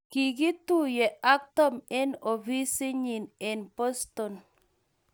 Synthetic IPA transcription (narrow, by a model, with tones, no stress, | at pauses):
ki˨ɡi˦tu˦je˨ʔa˦k̚tɔ˦me˦no˨vi˦si˦ɲi˨ne˨npo˦sto˨n